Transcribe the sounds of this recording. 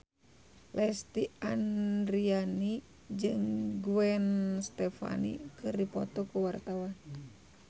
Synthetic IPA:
lʔɛst̪iandɾiani | d͡ʒɨŋɡuɛnst̪ɛfa̰nḭkɨrdipɔ̰t̪ɔkuwart̪awan

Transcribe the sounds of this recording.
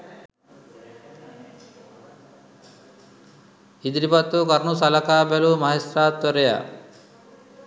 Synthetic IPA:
hid̪ɾipat̪ːukaɾnusalakabelumaɦesɾat̪ːɔɾeja̰

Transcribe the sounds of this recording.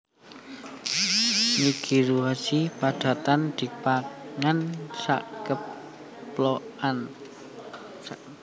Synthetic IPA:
liɡ̥iɾuɦasipad̪̥a̤t̪and̪̥i̤paŋansa̰ʔkə | ploan

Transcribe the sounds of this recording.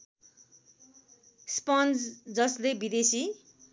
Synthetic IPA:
spʌnsd͡zʌslebid̪esi

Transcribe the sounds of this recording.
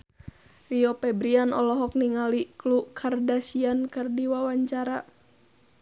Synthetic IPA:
riɔpɛbɾianɔlɔɦɔk̚niŋaliklukʰardasiankɨrdiwawaɲt͡ʃaɾa

